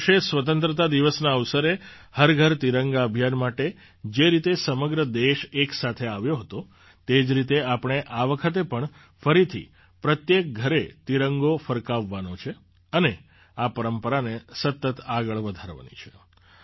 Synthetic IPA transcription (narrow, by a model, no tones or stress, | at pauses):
ʃesʋət̪̬ənt̪ɾət̪̬ad̪iʋəsnaəʋsəɾe | həɾɡʱəɾt̪iɾəŋɡaəbʱijanmaʈe | d͡ʒeɾit̪esəməɡɾəd̪eʃeksat̪ʰeaʋjoɦət̪o | t̪ed͡ʒɾit̪eapɳ̃eʔaʋəkʰət̪̬epəɳ | fəɾit̪ʰḭ | pɾət̪jek̚ɡʱəɾet̪iɾəŋɡofəɾkaʋːanot͡ʃʰe | əne | apəɾəmpəɾanesət̪ːət̪aɡəɭʋəd̪ʱaɾʋa̰nḭt͡ʃʰe̥